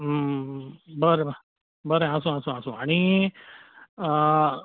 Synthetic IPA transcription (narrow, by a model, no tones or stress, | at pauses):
bəɾe | bəɾeɦãs̬ũɦãːsũãːsũa̰ni